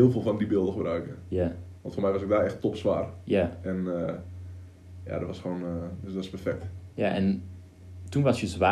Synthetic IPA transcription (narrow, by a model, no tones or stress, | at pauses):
ɪːlˠvoːlˠfɔndibɪəlˠdəxəbrœɥkəjaʋɑntfoːrmɛjʋɔsɡ̚daːɛxtːopsʋa̰ːrjaɛnə | ja̰dɔtʋɔsχondsdɔtspɛrfɛk̚tjaʔɛn | tunʋɔsjəzʋa